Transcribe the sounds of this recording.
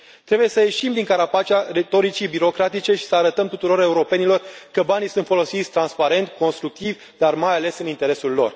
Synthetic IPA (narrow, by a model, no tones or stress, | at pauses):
t̪ɾe̞buje̞səje̞ʃimd̪iŋkaɾapat͡ʃaɾe̞t̪o̞ɾit͡ʃibiɾo̞kɾat̪it͡ʃe̞ʃi̥səaɾət̪əmt̪ut̪uɾo̞ɾe̞uɾo̞pe̞nilo̞rkəbanisunt̪fo̞lo̞sit̪sʲt̪ɾanspaɾe̞nt̪ko̞nst̪ɾuk̚t̪ivʲ | d̪armajale̞sɨnint̪e̞ɾe̞sulːo̞̰r